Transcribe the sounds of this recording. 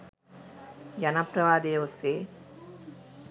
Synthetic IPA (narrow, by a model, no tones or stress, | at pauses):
janaprɐʋaːd̪ejʋuseː